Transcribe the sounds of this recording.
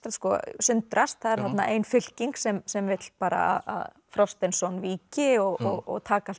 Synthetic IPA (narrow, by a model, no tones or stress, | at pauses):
skɔsʏnt̪ɾast̪θaðɛɾ̥θat̪naʔeːjnfʏl̥ciŋksɛmsɛmvɪt̪l̥paːɾa̰a̰ða̰ð | fɾɔfst̪ɛnsɔnviːcɪɔɣɔɣɔ̰ɣt̪ʰaːka